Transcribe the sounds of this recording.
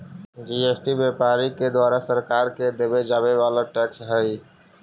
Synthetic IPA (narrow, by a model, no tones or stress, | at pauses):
d͡ʒiesʈibjepaɾiked̪waɾasəɾkaɾked̪ebed͡ʒaβeβalaʈɛksɦəj